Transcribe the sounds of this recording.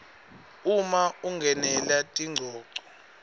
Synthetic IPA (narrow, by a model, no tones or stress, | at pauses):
umauŋɡʱɛnɛlatʼiŋ͡ǀʱɔːǀɔ̥